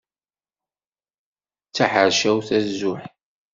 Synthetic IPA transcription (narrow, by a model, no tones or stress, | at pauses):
t͡sːaħəɾʃæwθæzːʊħ